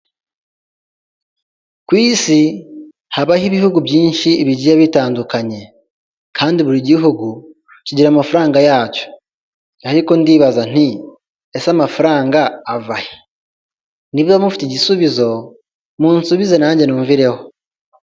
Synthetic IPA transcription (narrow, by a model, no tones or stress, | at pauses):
kwiːsi | haβahiβihuɡubjiːnʃiːβiɟijaβitaːndukaɲe̞ | kʰaːndiβuɾiɟiɦuɡu | cuɟiɾamafuɾaːŋɡajaːco̥ | aɾiko̞ndiːβazan̥i | esamafuɾaːŋɡaːvahi̥ | niβjoamufitiɟisuβizo̞ | muːnsuβize̞naːɲɟe̞nuːɱviɾe̞ho̞